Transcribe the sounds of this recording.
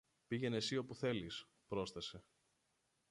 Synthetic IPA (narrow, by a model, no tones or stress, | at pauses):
piʝe̞ne̞sio̞puθe̞lis | pɾo̞sθɐse̞